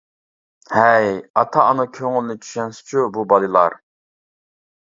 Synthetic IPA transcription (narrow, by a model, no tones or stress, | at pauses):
hɛjɑt̪ʰɑːnɨkʲʰøŋɪlnɪt͡ʃʰy̥ʃɛnsɪ̥t͡ʃʰububɑlˠɨlˠɑ̰ɾ